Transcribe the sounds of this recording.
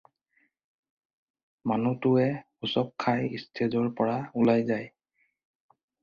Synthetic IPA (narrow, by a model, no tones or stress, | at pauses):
manutʊɛ | usɔp̚kʰːajistʰezɔɹpɔɹaulajzaj